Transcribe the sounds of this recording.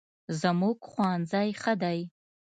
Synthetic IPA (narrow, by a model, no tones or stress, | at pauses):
zamuɡχʷaːnd͡zajχadaj